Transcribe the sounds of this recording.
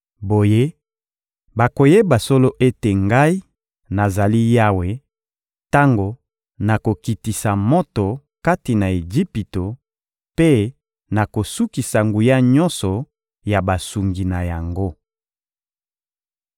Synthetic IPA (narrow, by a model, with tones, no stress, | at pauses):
bo˨je˦ | ba˨ko˨je˦ba˨so˦lo˦ʔe˦te˨ŋɡa˦i˦ | na˨za˨li˦ja˦we˦ | ta˦ŋɡo˨ | na˨ko˨ki˨ti˨sa˨mɔ˦to˨ | ka˦ti˨na˨e˨ʒi˦pi˨to˨ | pe˦ | na˨ko˨su˦ki˨sa˨ŋɡu˨ja˦ɲɔ˦nsɔ˨ | ja˨ba˨su˨ŋɡi˨na˨ja˨ŋɡo˦